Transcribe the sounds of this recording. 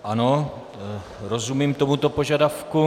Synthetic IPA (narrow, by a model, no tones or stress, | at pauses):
ʔano | ɾozumiːmt̪o̞mut̪o̞po̞ʒadafku